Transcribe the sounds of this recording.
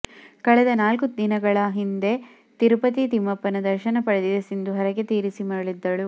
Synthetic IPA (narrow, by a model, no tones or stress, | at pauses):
kɐɭɛd̪ɐnaːlkud̪inɐɡɐɭɐɦind̪e̞ | t̪iɾupɐt̪it̪imːɐpːɐnɐd̪ɐɾʃɐnɐpɐɽɐd̪id̪ɐsind̪uɦɐɾɐɡet̪iːɾisimɐɐɭid̪ːɐɭu